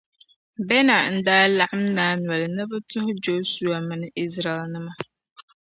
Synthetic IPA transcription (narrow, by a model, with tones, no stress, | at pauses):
bɛ˦na˨n̩˦daː˦la˦ʔɪ˦m˦naː˨˦nwɛ˨lɪ˨nɨ˦bʊ˦tʊ˦hʊ˦d͡ʒoː˦su˨a˨mɪ˨nɪ˦ʔɪ˦zɾa˨ɛ˨lnɨ˦ma˨